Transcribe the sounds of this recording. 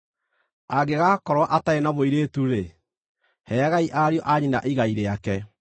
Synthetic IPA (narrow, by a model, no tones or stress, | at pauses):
aɡeɣaːkɔɾwaʔataenaβoiɾetuɾe | hɛɣaiʔaɾjɔʔaɲinaʔiɣaiɾeakɛ